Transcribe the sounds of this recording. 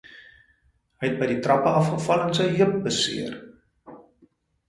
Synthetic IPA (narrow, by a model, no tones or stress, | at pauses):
ɦəjɛt̚bəjditrɐpəɐfχəfɐlənsəjɦiəp̚bəsḭər